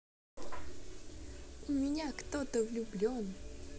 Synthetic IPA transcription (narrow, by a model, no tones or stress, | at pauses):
ʊmʲɪnʲakt̪ot̪əvlʲʊblʲon